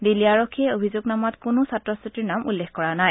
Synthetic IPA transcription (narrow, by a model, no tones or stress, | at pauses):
diliaɹokʰːiɛobʱizuɡnamatkʊnʊsatɹɔsitiɹnamṵlːexkɔɹanaj